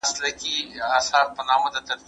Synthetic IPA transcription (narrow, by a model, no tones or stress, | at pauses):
slɐkiaːsaːɾpɐnaːmɐd̪ɐt̪ɐd̪̚